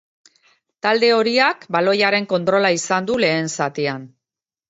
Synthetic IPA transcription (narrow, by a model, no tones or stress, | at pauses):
t̪ald̪e̞o̞ɾiakbalo̞jaɾe̞ŋko̞nt̪ɾo̞laisand̪ule̞ːnsat̪ian